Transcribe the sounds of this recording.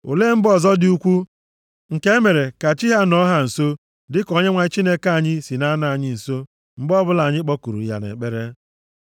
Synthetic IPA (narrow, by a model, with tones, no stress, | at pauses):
ṵ˨le˦m̩˦bɔ˦˨zɔ˦dɪ˦u˦kʷu˦ | ŋ̩˨ke˦e˦me˨ɾe˨ka˨t͡ʃi˦ɦa˦nɔ˦ɦa˨n̩˨so˦ | dɪ˦kɔ˦ɲe˦ŋʷa˨ɲ˦t͡ʃi˦ne˦ka˦˨ɲɪ˦si˨na˦na˨a˨ɲɪ˦n̩˨so˦ | m̩˦bɔ˦bʊ˦la˨ɲɪ˦k͡pɔ˦ku˨ɾṵ˨ja̰˨nḛ˨k͡pe˦ɾe˦